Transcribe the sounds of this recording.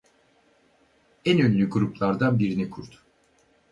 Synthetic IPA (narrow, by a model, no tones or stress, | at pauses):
ænønlʲyɡuɾuplˠaɾd̪anbiɾinikʰuɾt̪ʰʊ̥